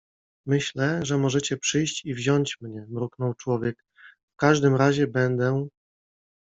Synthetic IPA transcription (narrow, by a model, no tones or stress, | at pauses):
mɘɕlɛʐɛmɔʐɛt͡ɕɛpʂɘjɕt͡ɕivʑɔɲt͡ɕmɲɛmɾuknɔwt͡ʂwɔvʲjɛk | fkaʐd̪ɘmɾaʑɛbɛnd̪ɛ